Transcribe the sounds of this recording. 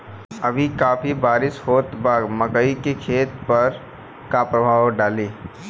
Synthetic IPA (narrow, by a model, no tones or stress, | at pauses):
əbʱikaːpʰibaːɾɪshoːt̪baːɡməkəikekʰeːt̪pɐɾ | kapɾəbʱaːwɖaːleː